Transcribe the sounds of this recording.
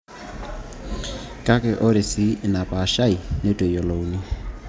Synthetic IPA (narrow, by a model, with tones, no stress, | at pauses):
kʼa˦kʼɪ˨ʔʊ˦ɾɪ˨sɪ˦˨na˨pʼa˨ʃa˦i˨nɪ˦tʼe˨jɔ˨lou˦ni˦